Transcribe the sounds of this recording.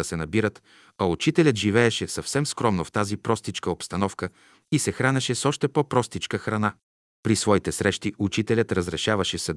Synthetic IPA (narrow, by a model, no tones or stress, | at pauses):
ɐsɛnɐbiɾət̪ | ɐut͡ʃit̪ɛlʲət̪ʒivɛɛʃɛsɐfsɛmskɾɔmnoft̪azipɾɔst̪it͡ʃkəopst̪ɐnɔfkə | isɛxɾanʲɐʃɛsɔʃt̪ɛpopɾɔst̪it͡ʃkəxɾɐna | pɾisvɔit̪ɛsɾɛʃt̪iʔut͡ʃit̪ɛlʲət̪ɾəzɾɛʃavɐʃɛsɐ